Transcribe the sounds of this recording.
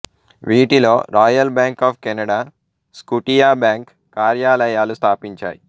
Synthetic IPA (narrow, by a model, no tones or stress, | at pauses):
ʋiːʈilo̞ːɾaːjɐlbjaːŋkaːpʰkɛnɐɽaː | skuʈijaːbjaːŋkːaːɾjaːlɐjaːlust̪ʰaːpiɲt͡ʃa̰ːji